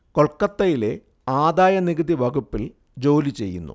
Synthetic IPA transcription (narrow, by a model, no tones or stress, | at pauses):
ko̞ɭkːɐt̪ːɐjile̞ | aːd̪aːjɐniɣɨd̪iʋɐɡupːil | d͡ʑo̞ːlit͡ɕe̞̰jːṵnːṵ